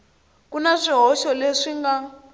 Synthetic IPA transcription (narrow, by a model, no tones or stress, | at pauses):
kunaʂiɦɔʃɔleʂiŋɡa